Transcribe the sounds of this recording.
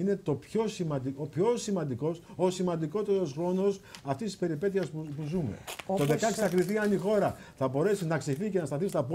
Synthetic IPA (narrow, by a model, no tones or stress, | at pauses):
ine̞t̪o̞pço̞simɐd̪iopço̞simɐnd̪iko̞sosimɐnd̪iko̞t̪e̞ɾo̞sxɾo̞no̞sɐft̪ist̪ispe̞ɾipe̞t̪iɐspupuzume̞̰t̪oðekɐsɐkɾiθiɐnixo̞ɾɐ | θɐbo̞ɾe̞sinɐksiθice̞nɐst̪ɐθist̪ɐp